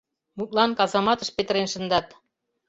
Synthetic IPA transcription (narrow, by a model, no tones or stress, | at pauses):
mut̪̚lˠɑnkɑzɑmɑt̪ə̆ʃpet̪ə̆ɾenʃə̆nd̪ɑt̪